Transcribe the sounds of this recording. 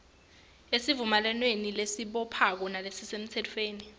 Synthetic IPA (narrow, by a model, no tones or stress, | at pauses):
esivumalɛnwenilesiɓɔpʰak̬ɔnalesisem̩t͡sʰɛtʰfeːni